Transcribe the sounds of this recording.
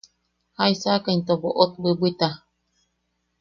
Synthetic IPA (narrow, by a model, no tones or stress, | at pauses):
haisakaint̪oboʔot̪̚bɨbʷit̪a